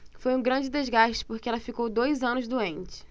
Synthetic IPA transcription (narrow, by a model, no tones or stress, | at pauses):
fojũɡɾɐ̃d͡ʒɪd̪ezɡaʃt͡ʃɪ̥poɾkɪɛlɐfikowd̪ojzɐ̃nʊzd̪uẽnt͡ʃɪ̥